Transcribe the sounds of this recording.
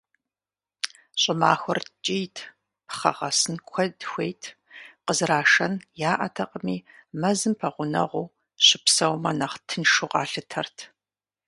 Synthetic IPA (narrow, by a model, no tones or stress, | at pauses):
ɕʼɪmaːxʷɔrt͡ʃʼijtʰ | pʰχɐ̰ʁɐsɨnkʷʰɐdxʷejtʰ | qəzraːʂɐnjaːʔɐ̰tʰɐqʼəmiːmɐzɨmpʰɐʁʷʊnɐ̰ʁʷuː | ɕɪpsɐwmɐnɐχtʰɨnʃuqʼɑːɬɨtʰɐrtʰ